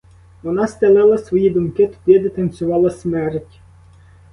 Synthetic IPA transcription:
ʋɔnɑst̪ʲɛlˠɛlˠɐsʋɔjid̪ʊmkɪt̪ʊ̥d̪ʲid̪ɪt̪ɐnʲsʲʊʋɑlˠɐsmɛɾtʲ

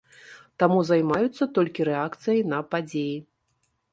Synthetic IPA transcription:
t̪amuzajmajut̪sːɐt̪ɔlʲkʲiɾɛakt̪sɨjɐjnɐpad͡zʲeji

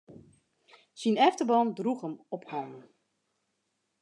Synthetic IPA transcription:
sinɛftəbɑndruxəmɔphawn

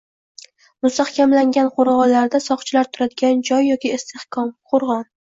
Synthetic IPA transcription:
mʊst̪ahkʲamlaŋɡʲanqʰʊɾʁɒlaɾd̪asɒqt͡ʃʰɪlaɾt̪ʰʊɾad̪ɪɡʲand͡ʒɒjːɒkʲɪːst̪ʰehkʰɒmqʰʊɾʁɒn

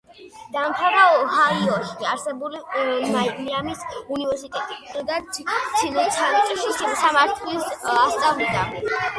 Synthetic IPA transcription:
d̪̥amt̪ʰavaɦaiɔʃkʼiaɾsɛbulimaiamisunivɛɾsit̪ʼɛt̪ʼiit̪ʼid̪at͡ʃʰinusʰanitt͡ʃʼiʃisamaɾt̪ʰlisast̪sʼavlid̪a̰

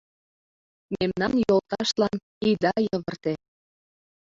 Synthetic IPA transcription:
memnɑnjolt̪ɑʃt̪lɑn | id̪ɑjəβərt̪e

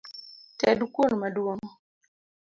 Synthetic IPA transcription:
tɛdukwonmadwoŋɔ

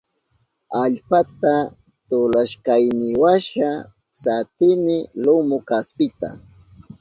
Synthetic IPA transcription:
aʎpat̪a | t̪ʊlaʃkajnɪwaʃa | sat̪ɪnɪlʊmʊkaspɪt̪a̰

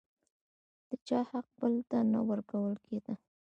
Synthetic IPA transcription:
d̪̥ət͡ʃɑhaq̚bəlt̪ana̰wəɾkawəlkʰed̪a

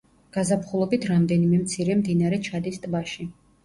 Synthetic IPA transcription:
ɡ̥azapχulˠɔbit̪ʰɾamd̪ɛnimɛmt̪sʰiɾɛmd̪inaɾɛt͡ʃʰad̪ist̪ʼbaʃi

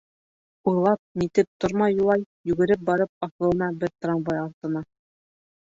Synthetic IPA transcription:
ujlˠɑp̚mit̪ɘp̚t̪oɾmɑjːulˠɑj | jʉɡɘ̆ɾɘp̚bɑɾɤp̚ɑθɤ̆lˠɤ̆nɑbɘɾt̪rɑmbɑjɑɾt̪ɤ̆nɑ

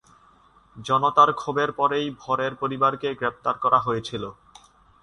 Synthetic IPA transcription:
d͡ʑɔnot̪aɾkʰobeɾpɔɾejbʱɔɾeɾpoɾibaɾkeɡɾep̚t̪aɾkɔɾaɦojet͡ɕʰilo

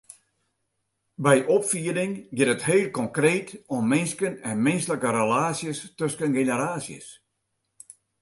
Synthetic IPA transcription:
bɛjʔɔpfiədɪŋɡɪtətheːlˠkɔŋkreːtommɪnskənɛnmɪnsləkəɾəlaːsjəstøskənɡenəɾaːsjə̰s

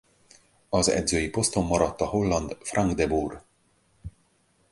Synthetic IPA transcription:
ɒzɛ̰d̪zøːjipo̞st̪o̞mːɒɾɒt̪ːɒho̞lːɒnd̪frʔɒŋɡd̪ɛbuːr

